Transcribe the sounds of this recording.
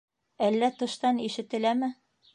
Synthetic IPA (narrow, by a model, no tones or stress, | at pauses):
ælːæt̪ɤ̆ʃt̪ɑniʃɘ̆t̪ɘ̆læmɘ